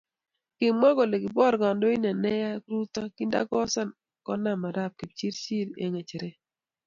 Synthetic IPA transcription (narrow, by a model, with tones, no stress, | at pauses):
kɪ˨mɔ˦ɡɔ˨le˨ɡi˨bɔ˦˨ɾɡa˨ndo˦i˦na˨nɛ˦ja˦kɾu˦t̪ɔ˦ki˦nda̰˦ɡɔ˦sa˦n | kɔ˦na˦˨ma˨ɾa˦˨p̚ki˨pt͡ʃi˦ɾt͡ʃi˦ɾḛ˦ŋe˨t͡ʃe˨ɾe˦